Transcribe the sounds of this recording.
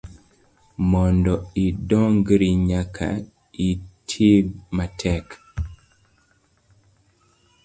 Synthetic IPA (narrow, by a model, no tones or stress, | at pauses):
mɔndɔidɔŋɡɾiɲakʰa̰ | itʰibmatʰɛk